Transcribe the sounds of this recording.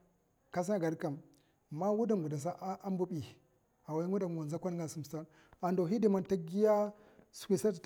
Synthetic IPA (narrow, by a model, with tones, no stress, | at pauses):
ka˦s̬a˦ɡa˨ɾka˨m˨ | ma˦wu˦da˨mɡu˨da˨s̬a˦ʔʔa˦m˦bu˦ɓi˨ | a˨wa˨˦ŋwu˦da˨m˨a˨nza˦kʷa˦n˦ɡa˨su˨m˨ta˦ | a˨ndo˨i˦di˨ma˨nta˦ɡi˦ja˦ | su̥˨kʷi˨sa˦tt